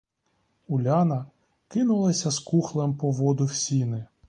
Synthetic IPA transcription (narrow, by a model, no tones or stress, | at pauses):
ʊlʲɑnɐ | kɪnʊlˠɐsʲɐskuxlˠempɔʋɔd̪ʊwsʲinɪ